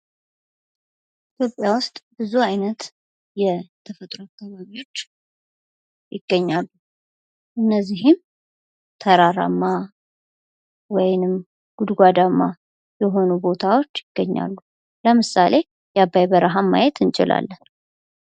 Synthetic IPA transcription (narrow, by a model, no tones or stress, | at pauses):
ʔit̪ʰjo̞pʼjawʊst̪ʼbɨzuajnət̪ | jɛt̪ʰəfət̪ʼɾoakʰːaβaβiwo̞t͡ʃː | jɪɡ̥ːəɲːalːu | ʔɨnːəzːiɦɪm | t̪ʰəɾaɾa̰mːa | wɔjnɨm | ɡ̥ud̪ɡʷad̪amːa | jɛɦo̞nubo̞t̪ʰawo̞t͡ʃːjɪɡ̥ːəɲːa̰lːu | ləmɨsale̞ | jabːajbəɾəɦamːa̰jɛt̪ʰɨnt͡ʃʼɪ̰la̰lːən